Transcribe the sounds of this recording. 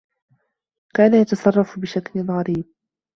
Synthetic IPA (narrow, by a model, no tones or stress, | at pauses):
kaːnajat̪ɑsˤɑrˤːɑfbɪʃaklɪnɣɑɾiːb̚